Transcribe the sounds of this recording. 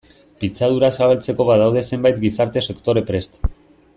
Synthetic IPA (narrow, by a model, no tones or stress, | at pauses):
pit͡sað̞uɾasaβalt͡se̞ko̞βaðawð̞e̞se̞mbajt̪ɡisaɾt̪e̞se̞kt̪o̞ɾe̞pɾe̞st̪